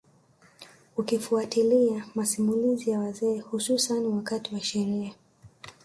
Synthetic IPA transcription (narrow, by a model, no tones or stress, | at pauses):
ukifuatiliamasimulizijawazɛːhususaniwakatiwaʃɛɾia